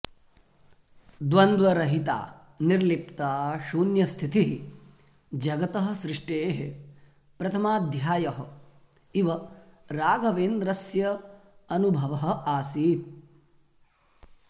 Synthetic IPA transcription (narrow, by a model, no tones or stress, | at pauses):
d̪ʋɐnd̪ʋɐɾɐɦit̪a̰ː | niɾlip̚t̪aːʃuːnjɐst̪ʰit̪iɦi | d͡ʒɐɡɐt̪ɐɦɐ̆sɾɪʂʈeːɦe | pɾɐt̪ʰɐmaːd̪ʱjaːjɐɦɐ | iʋɐɾaːɡʱɐʋeːnd̪ɾɐsjɐɐnubʱɐʋɐɦɐ̆aːsiːt̪̚